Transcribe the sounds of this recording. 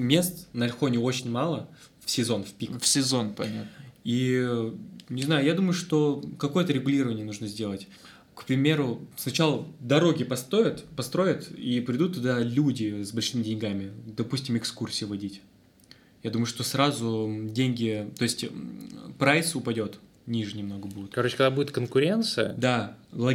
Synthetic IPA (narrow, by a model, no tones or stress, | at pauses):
mʲe̞st̪nɐlʲxo̞nʲɪo̞t͡ɕɪnʲmalˠə | fsʲɪzo̞nfʲpʲikfsʲɪzonpɐnʲat̪i | nʲɪznajʊjad̪uməjʊʂt̪o̞kɐko̞jət̪əɾʲɪɡʊlʲiɾəvənʲɪjənuʐnəzʲdʲe̞lˠətʲ | kpɾʲɪmʲe̞ɾʊsnɐt͡ɕalˠəd̪ɐɾo̞ɡʲɪpɐst̪ojɪt̪pɐst̪ɾo̞jɪt̪ipɾʲɪd̪ut̪ːʊd̪alʲudʲɪsbɐlʲʂɨmʲɪdʲɪnʲɡamʲɪd̪ɐpusʲtʲɪmɪkskursʲɪjɪvɐdʲitʲ | jad̪uməjʊʂt̪o̞sɾazʊdʲenʲɡʲɪt̪o̞ɪsʲtʲ | pɾajsʊpɐdʲo̞t̪ | nʲiʐɨnʲɪmno̞ɡəbudʲɪt̪kɐɾot͡ɕɪ̥kɐɡd̪abudʲɪt̪kənkʊɾʲe̞nt̪sɨjə̰d̪alˠɐ